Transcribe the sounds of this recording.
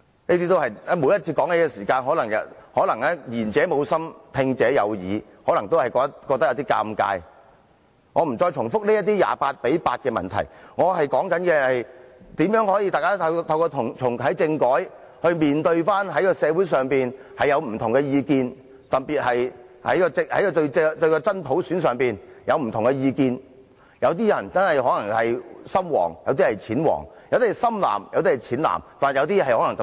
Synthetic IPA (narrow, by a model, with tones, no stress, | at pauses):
niː˥t̪i˥t̪o˥whɐ˨jɛ˥mu˨˧jɐ˥t̚t͡sʰiː˧kɔː˨˥ŋne˨˥jkɛ˧siː˨˩kaː˧nɦɔː˨˥lɐ˨˩ŋɐ̰˨hɔː˨˥lɐ˨˩ŋɛː˥jiː˨˩nt͡sɛː˨˥mo˨˧wsɐ˥mt̪ʰɪ˧ŋt͡sɛː˨˥jɐ̰˨˧wjiː˨˧ | hɔː˨˥lɐ˨˩ŋt̪o˥whɐ˨jkɔː˧kt̪ɐ˥kːɔː˧kt̪ɐ˥jɐ˨˧wt̪iː˥ka̰ː˧mka̰ː˧j | ŋɔː˨˧m̩˨˩t͡sɔː˧jt͡ʃʰʊ˨˩ŋfʊ˥k̚le˥jɐ˥t̪̚iː˥ja̰ː˨paː˧t̚pe˨˥jpaː˧t̚kɛː˧mɐ̰˨nt̪ʰɐ˨˩jŋɔː˨˧hɐ˨jkɔː˨˥ŋkɐ˨˥nkɛː˧hɐ˨jt̪iː˨˥mjœː˨˥ŋhɔː˨˥jiː˧t̪aː˨jkaː˥ɐ˧t̪ʰɐ˧wkɔː˧t̪ʰʊ˨˩ŋt͡sʰʊ˨˩ŋɦɐ˨˥jt͡sɪ˧ŋkɔː˨˥j | hɵ˧ɥmiː˨nt̪ɵ˧ɥfaː˥nɦɐ˨˥jkɔː˧sɛː˨˧wuː˨˥js̬œː˨˩ŋpiː˨n | hɐ˨jɐ˨˧wm̩˨˩t̪ʰʊ˨˩ŋkɛ˧jiː˧kiː˧n | t̪ɐ˨k̚piː˨t̚hɐ˨j | hɐ̰˨˥jkɔː˧t͡sɪhɐ̰˨˥kɔ˧t̪ɵ˧ɥt͡sɛt̪ɵ˧ɥkɔː˧t͡sɐ˥nt̪ʰo˨˥wsyː˨˥nsœː˨ŋpiː˨njɐ˨˧wm̩˨˩t̪ʰʊ˨˩ŋkɛ˧jiː˧kiː˧n | jɐ˨˧wt̪iː˥jɐ˨˩nt͡sɐ˥nhɐ˨jɦɔː˨˥nɐ˨˩ŋhɐ˨jsɐ˥mwɔ̰ː˨˩ŋjɐ˨˧wt̪iː˥hɐ˨jt͡sʰiː˨˥nwɔ̰ː˨˩ŋjɐ˨˧wt̪i˥˨˩sɐ˥mla̰ː˨˩mjɐ̰˨˧wt̪iː˥hɐ˨˩jt͡sʰiː˨˥nla̰ː˨˩mfa˨jɐ˨˧wt̪i˥˨ɦɐ˨jhɔː˨˥ɐ˨˩ŋt̪